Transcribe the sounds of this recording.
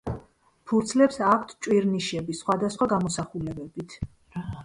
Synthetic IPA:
pʰuɾt̪sʰlɛpsakʰt̪ʰt͡ʃʼwiɾniʃɛbisχwad̪asχwaɡamɔsaχulɛbɛbit̪ʰ

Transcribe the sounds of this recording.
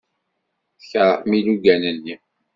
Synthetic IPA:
θçəɾˤəmiluɡænəlːi

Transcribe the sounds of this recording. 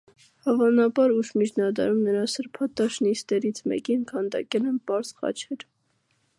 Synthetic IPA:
hɑvɑnɑbɑɾuʃmit͡ʃʰnɑd̪ɑ̰ɾumnəɾɑsəɾpʰɑt̪ɑʃnist̪ɛɾit͡sʰmɛ̰kinkʰɑnd̪ɑ̰kɛlɛnpɑɾz̥χɑ̰t͡ʃʰɛɾ

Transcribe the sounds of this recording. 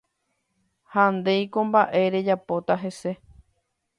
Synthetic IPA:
hand̪e̞jkõmbaʔe̞ɾe̞d͡ʒapot̪aɦe̞se̞

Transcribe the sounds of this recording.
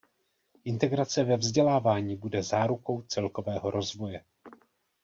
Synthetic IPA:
ʔɪnt̪ɛɡɾat͡sɛvɛvzɟɛlaːvaːɲiːbudɛzaːɾuko̞wt͡sɛlko̞vɛːɦo̞ɾʔo̞zvo̞jɛ

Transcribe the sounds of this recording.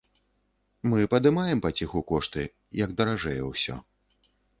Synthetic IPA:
mɨpɐd̪ɨmajɛmpat͡sʲixukɔʂt̪ɨ | jɐɡd̪ɐɾaʐɛjɛwsʲɔ̰

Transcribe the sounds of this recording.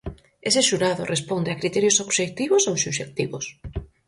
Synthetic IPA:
eseʃuɾaðʊ̰rʔespond̪eakɾit̪ɛɾjosoβʃek̚t̪iβʊsowsuʃek̚t̪iβʊs

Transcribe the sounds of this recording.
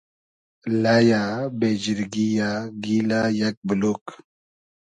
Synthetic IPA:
lajabed͡ʒiɾɡijaɡilajak̚bəlok

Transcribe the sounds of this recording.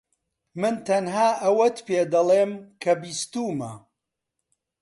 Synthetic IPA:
mɨnt̪ʰɐnɦaːʔɐwɐt̪peːd̪ɐlˠeːmkʰɐbiːst̪uːmɐ̰

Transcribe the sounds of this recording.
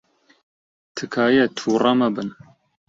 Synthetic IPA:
t̪ʰɨkʰaːjɛt̪ʰuːramɐbɨn

